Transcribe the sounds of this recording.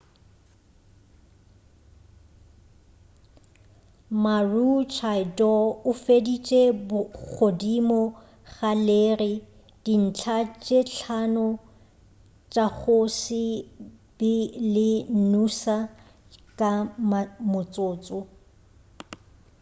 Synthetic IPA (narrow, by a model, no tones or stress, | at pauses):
marut͡ʃʰaɪdɔʊfedit͡ʃʼebʊk͡xʰodimɔ | ɣaleːrɪ | d̥in̩t͡ɬʰat͡ʃʼeɬʰanɔ | t͡ʃʼak͡xʰosɪ | b̥ɪlɪn̩nusa | kʼamamʊt͡sʼoːt͡sʼɔ